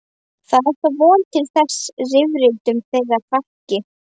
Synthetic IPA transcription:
θaðɛ̥t̪avɔːlt̪ʰɪlθɛsrɪvɾɪlt̪ʏmθeɣafahcɪ

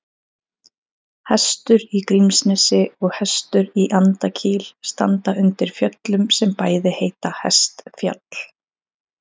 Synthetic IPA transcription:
hɛst̪ʏɾikɾimsnɛsɪɔɣhɛst̪ʏɾiʔant̪acʰiːlst̪a̰nt̪aʏnt̪ɪɾ̥fjœt̪lʏmsɛmpaːjðɪheːjt̪ahɛ̰st̪fja̰t̪l̥

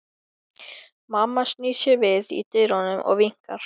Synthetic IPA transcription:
mamːasniːsjɛvɪðḭt̪eːjɾanʏmʔɔ̰ɣviŋ̥kaɾ̥

